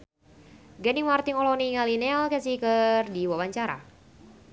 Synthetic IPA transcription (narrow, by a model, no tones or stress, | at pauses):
ɡɛniŋmart̪iŋɔlɔniŋalinɛlkɛsikərdiwawaɲt͡ʃaɾa̰